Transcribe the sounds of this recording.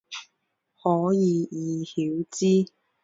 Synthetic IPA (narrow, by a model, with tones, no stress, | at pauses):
hɔː˨˥jiː˨˧jiː˨˧hiː˨˦˥wt͡siː˥